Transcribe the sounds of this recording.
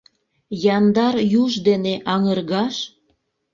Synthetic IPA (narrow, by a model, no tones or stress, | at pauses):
jɑnd̪ɑrjuʒd̪eneʔɑŋərɣɑʃ